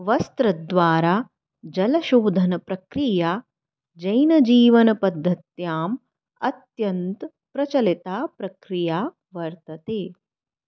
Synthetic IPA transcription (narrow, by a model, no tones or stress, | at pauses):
ʋɐst̪ɾɐd̪ʋaːɾaː | d͡ʒɐlɐʃoːd̪ʱɐnɐpɾɐkɾiːjaː | d͡ʒɐjnɐd͡ʒiːʋɐnɐpɐd̪ʱːɐt̪jaːm | ɐt̪jɐnt̪ | pɾɐt͡ʃɐlit̪aːpɾɐkɾijaː | ʋɐɾt̪ɐt̪eː